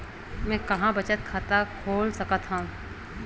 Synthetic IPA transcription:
mɛ̃ːkɐɦãbɐt͡ʃət̪̚kʰaːt̪akʰoːlsɐkət̪ɦãː

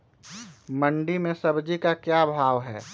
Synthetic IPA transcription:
məɳɖimẽsəbd͡ʒikakjabʱaːʋɦɛː

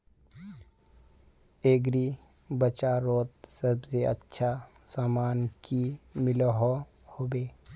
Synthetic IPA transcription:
eːɡɾi | bət͡ʃaɾoːt̪̚səbseʔɐ̰tːʃʰa | saːmaːnkimɪlɦo | hoːbeː

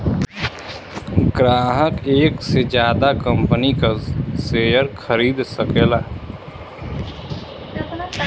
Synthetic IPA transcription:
ɡɾaːɦəkeːksed͡ʒjaːd̪akə̃mpənikaseːjəɾkʰəɾiːd̪səkeːlaː

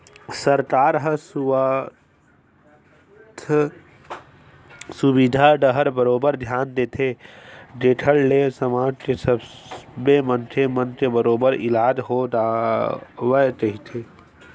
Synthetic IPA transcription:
səɾkaːɾɦəsu | t̪ʰ | subid̪ʱaɖəɦəɾbəɾoːbəɾd̪ʱjaːnd̪eːt̪ʰeɖeːʈʰəlːesəmaːd͡ʒʈesəbbemənt͡ʃʰemə̃nʈʰebəɾoːbəɾḭlaːd͡ʒɦoːd̪a | ʋət͡ʃəɦit̪ʰeː

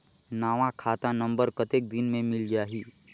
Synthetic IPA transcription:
naːʋãkʰaːt̪anə̃mbəɾkət̪eːk̚d̪ɪnmẽmɪld͡ʒaːɦiː

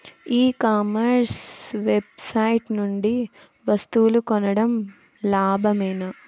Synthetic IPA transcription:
iːkaːmɐɾsʋebsɐjiʈnuɳɖi | ʋɐst̪uwulukɔnɐɽɐm | laːbʱɐmeːnɐ

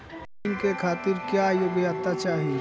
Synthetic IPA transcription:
nkekʰaːt̪ɪɾkjajoːɡiat̪at͡ʃaːɦi

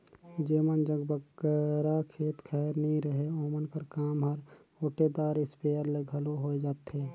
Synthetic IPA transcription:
d͡ʒeːmənd͡ʒəɡbəɡəɾakʰeːt̪kʰɛːɾnɦĩɾəɦeoːmənkəɾkaːmɦəɾ | oːʈed̪aːɾɪspeəɾleɡʱəloɦoed͡ʒaːt̪ɦeː

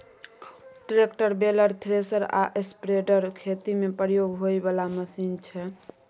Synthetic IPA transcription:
ʈɾekʈəɾbeləɾt̪ʰɾesəɾa̰ʔespɾeɖəɾkʰet̪imepɾjoɡɦojbalaməsint͡ʃʰɛ

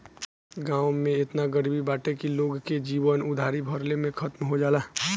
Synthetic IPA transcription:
ɡãːʊ̃mẽɪt̪naɡəɾbibaːʈekiloːɡked͡ʒiːʋənʊd̪ʱaːɾibʱəɾlemẽkʰət̪mɦod͡ʒaːlaː

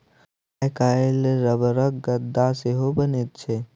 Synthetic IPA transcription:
akaːelɾəbəɾəkɡəd̪aseɦobənet̪̚t͡ʃʰe

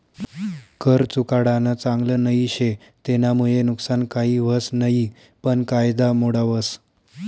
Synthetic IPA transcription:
kʰəɾt͡sukaɽanət͡saŋɡlənəiɕe | t̪enamuɭenuksankaɦiːʋəsnəi | pəɳkajd̪amoɽaʋəs

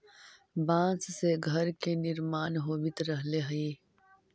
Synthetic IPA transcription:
bãːt͡sseɡʱɐɾkenɪɾmaːnɦoːbit̪ɾɐɦleɦɐiː

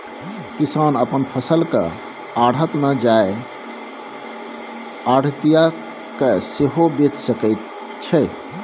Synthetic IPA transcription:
kisanəpənpʰəsəlkḛ | aɽɦət̪med͡ʒae | aɽ̤t̪ija | keseɦobet̪səkəɪt̪̚ | t͡ʃʰɛ

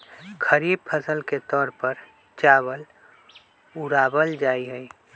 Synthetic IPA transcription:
kʰəɾiːb̚pʰəsəlket̪ɔːɾpəɾ | t͡ʃaːwəl | ʊɾaːbəld͡ʒaːiɦɛi

